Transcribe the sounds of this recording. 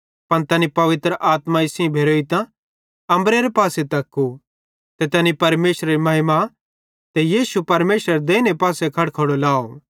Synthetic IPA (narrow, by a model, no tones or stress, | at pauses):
pɐnt̪ɐːnipɐʋɪt̪ɾəʔaːt̪maɪsĩbʱeːɾoːit̪ã | ɐ̃mbɾeɾepaːsɛt̪ɐkːu | t̪et̪ɐːnipɐɾmeːsɾeɾimɐɦɪma | t̪ɛjiːsupɐɾmeːsɾəɾd̪eːnepaːsekʰɐɽkʰɐɽolaːo